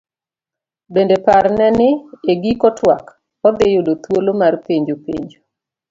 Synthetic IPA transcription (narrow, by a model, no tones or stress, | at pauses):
bendepaɾnɛnɪeɡikɔtwak | ɔd̪ɪjodot̪wolomarpeɲd͡ʒopḛɲd͡ʒo